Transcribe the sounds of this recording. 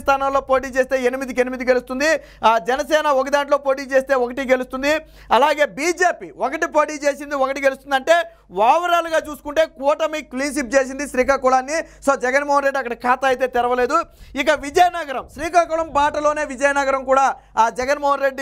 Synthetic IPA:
st̪ʰaːnɐmlo̞ːpo̞ːʈ̬iːt͡ʃe̞ːst̪e̞ːenimid̪ikenimid̪iɡe̞lust̪und̪i | d͡ʒɛnɐsɛːnɐɔk̬ɐd̪aːɳʈ̬lo̞ːpo̞ːʈiːt͡ʃeːst̪e̞ːɔkɐʈiɡe̞lust̪und̪i | ɐlaːɡe̞ːbiːd͡ʒe̞ːpiːokɐʈipo̞ːʈiːt͡ʃe̞ːs̬ind̪iɔkɐʈiɡelust̪und̪ɐɳʈe̞ː | ʋaːʋɐɾaːluɡaːt͡ʃuːsu̥kuɳʈe̞ːkuːʈɐmikliːnʃip̚t͡ʃe̞ːs̬ind̪iʃɾiːkaːkuɭaːnːiso̞ːd͡ʒɛɡɐnmoːɦɐnɾe̞ɖːɐkːɐɽɐkaːt̪ɐːjt̪e̞ːt̪iɾɐʋɐle̞ːd̪uikɐʋid͡ʒɐjɐnɐɡɐɾɐmʃɾiːkaːkuːɭɐmbaːʈɐlo̞ːne̞ːʋid͡ʒɐjɐnɐɡɐɾɐmkuːɽaː | d͡ʒɛɡɐnmoːɦɐnɾe̞ɖːi

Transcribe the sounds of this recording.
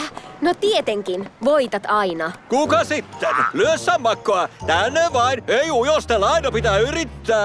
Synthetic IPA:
not̪iet̪eŋkinʋoit̪ɑt̪ɑinɑkukɑsit̪ːenlyøsːɑmːɑkːoɑt̪ænːeʋʋɑineiujost̪elɑinopit̪æyɾit̪ːæː

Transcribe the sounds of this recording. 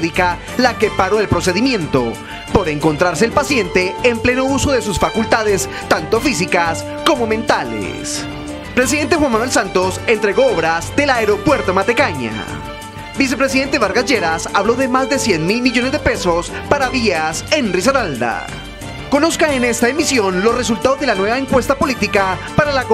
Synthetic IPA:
ðika | lake̞paɾo̞elpɾo̞se̞ðimjẽ̞nt̪o̞̰ | po̞ɾe̞ŋkont̪ɾaɾse̞ːlpasje̞nt̪e̞ːmple̞no̞uso̞ðe̞s̬usfakult̪aðe̞s | t̪ant̪o̞fisikas | ko̞mo̞ment̪alḛ | s | pɾe̞s̬iðe̞nt̪e̞xwanmanwe̞ls̬ant̪o̞se̞nt̪ɾeɣo̞oβɾazd̪e̞laeɾo̞pwe̞ɾt̪o̞mat̪e̞kaɲa̰ | bis̬e̞pɾe̞s̬iðe̞nt̪̬e̞βaɾɡad͡ʒeɾasaβlo̞ðe̞mazd̪e̞sjenmilmiʝo̞ne̞zd̪e̞pe̞so̞spaɾaβiase̞nris̬aɾald̪a̰ | ko̞no̞skae̞ne̞st̪aemisjo̞nlo̞sre̞s̬ult̪aðozðelanwe̞βaeŋkwe̞st̪apo̞lit̪ikapaɾalako

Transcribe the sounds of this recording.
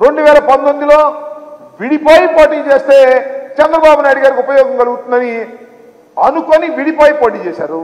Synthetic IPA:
ɾe̞ɳɖuʋɛːlɐpɐnt̪ond̪ilo̞ː | ʋiɽipaːjipoːʈiːŋt͡ʃe̞ːst̪e̞ːt͡ʃɛnd̪ɾɐbaːbunaːjɽuɡaːɾikʲupɐjɔːɡɐmkɐluɡut̪und̪ɐni | ɐnukoniʋiɽipaːjipoːʈiːt͡ʃɛːsa̰ːɾu

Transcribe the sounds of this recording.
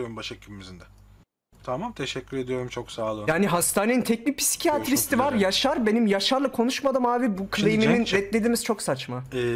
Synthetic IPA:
oɾumbaʃacʰimimizind̪ɛ | t̪ʰamamt̪ʰeʃɛcʰːyɾe̞d̪ijo̞ɾumt͡ʃʰo̞ksaːlˠɯjaːniɦast̪aːne̞nint̪ʰɛc̚nic̚pʰi̥si̥cʰiat̪ɾist̪ivaɾjaʃaɾbe̞nimjaʃaɾlˠakʰo̞nuʃmad̪ɯmaːvibukʰlˠijmininɛt̪lʲe̞d̪imiz̥t͡ʃʰo̞ksat͡ʃmaɛ

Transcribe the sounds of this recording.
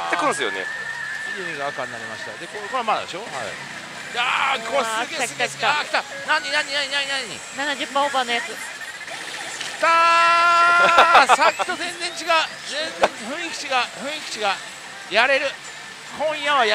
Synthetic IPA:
t̪ːekɯ̃ñsɨjo̰nḛiɾoɲiɡaakãɲinaɾema̰ɕi̥t̪a̰d̪e̞koɾkoɾeama̰d̪eɕo̞ha̰ | jakʰokʲesskakʲi̥t̪a | nãɲːinãɲːinaɲinaɲinaɲḭnanaʑɨpːãobãnːojat͡sɨ | kʲi̥t̪a | sakʲːi̥t̪o̞zẽnd͡zẽɲ̟t͡ɕiɡaɯ̟ | zẽnzẽɲɸɯ̟̃ɰ̃ikʲi̥t͡ɕiɡaɯɸɯ̟̃ɰ̃ikʲi̥t͡ɕiɡa | jaɾe̞ɾɯ̟ | kõ̞ɰ̃jaβaj

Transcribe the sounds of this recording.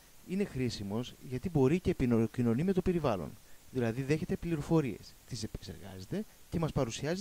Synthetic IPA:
ine̞xɾisimo̞zʝɐt̪ibo̞ɾice̞pinocino̞nime̞t̪o̞pe̞ɾivɐlo̞̰nðilɐðiðe̞çe̞t̪e̞pliɾo̞fo̞ɾie̞̰st̪ise̞pe̥kse̞̰ɾɣɐ̰ze̞t̪e̞ce̞mɐspɐɾusiɐz

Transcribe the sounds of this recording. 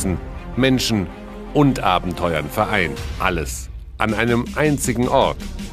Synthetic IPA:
zn̩mɛnʃn̩ | ʔʊntʔaːbm̩tʰɔʏɐnfɛɐʔaɪnʔa̰ləs | ʔanaɪnəmʔaɪnt͡sɪɡŋ̩ʔɔɐt

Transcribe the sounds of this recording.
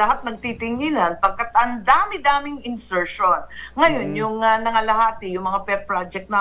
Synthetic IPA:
ɐɦat̪̚nɐɡ̚t̪it̪ɪŋiːnɐnpɐɡ̚kat̪ɐnd̪aːmɪd̪aːmɪŋɪnsɛɹʃonŋɐjo̞njʊŋɐnɐŋɐlɐhaːt̪ɪjʊŋmɐŋapɛɾ̚pɹad͡ʒɛk̚t̪nɐ

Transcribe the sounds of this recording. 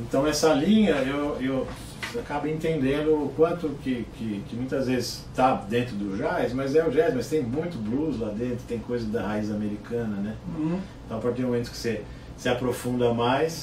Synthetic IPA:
ẽnt̪ɐ̃w̃ɛsɐlĩɲɐewew | akabʊẽnt̪ẽnd̪ẽnd̪ʊːkwɐ̃nt̪ʊkɪkɪkɪmũj̃t̪ɐzvezɪst̪ad̪ẽnt̪ɾʊd̪ʊʒajsmɐzɛʊʒɛzmɐst̪ẽj̃mũj̃t̪ʊbluzlad̪ẽnt̪ɾʊ̥t̪ẽj̃kojzɐd̪ɐhaizameɾikɐ̃nɐnɛ | t̪ɐ̃w̃pɾɐt̪ẽmomẽt̪ʊ̥kɪ̥se | sɪapɾofũnd̪ɐmajs

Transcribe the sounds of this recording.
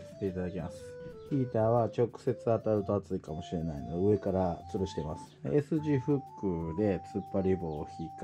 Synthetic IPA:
se̥t̪ːe̞it̪ad̪akʲemasɨ̥çʲiːt̪aːβat͡ɕo̞kɯ̟̥se̞t͡sɨat̪aɯ̟t̪o̞at͡sɨikamo̞ɕiɾe̞nainod̪eɯ̟e̞kaɾat͡sɨɾoɕi̥t̪e̞masɨ̥esɨʑiɸɯ̟kːɯ̟d̪e̞t͡sɨpːaɾʲibo̞ːçʲiːk

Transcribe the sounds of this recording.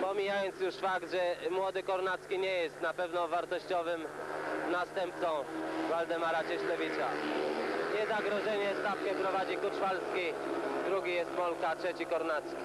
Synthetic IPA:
pɔmʲijajɔnt̪sjuʂfakt̪ʐɛmwɔd̪ɘkɔɾnat̪skʲiɲɛjɛst̪napɛvnɔ̃vaɾt̪ɔɕt͡ɕɔvɘmnast̪ɛmp̚t̪sɔ̃w̃vald̪ɛmaɾat͡ɕɛɕlɛvʲit͡ɕa̰ | ɲɛzaɡɾɔʐɛɲɛst̪afkɛpɾɔvad͡ʑikut͡ʂfalskʲid̪ɾuɡʲijɛst̪mɔlkatʂɛt͡ɕikɔɾnat̪skʲi̥

